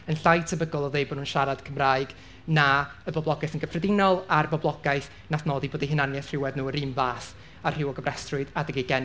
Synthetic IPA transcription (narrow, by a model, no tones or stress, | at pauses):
ənɬajtʰəbəɡɔlˠɔðejbodnuːnʃaɾad̥kʰəmraːɨɡ | naəbɔblˠɔɡaɨθənɡəfrɛdɪnɔlˠarbɔblˠɔɡajθ | naθnɔːdiboːdiɦɪnanjɛθr̥ɪwɛðnuːəɾiːmvaːθ | arr̥ɪwɔɡəvrɛstrʊɨðadəɡiɡɛn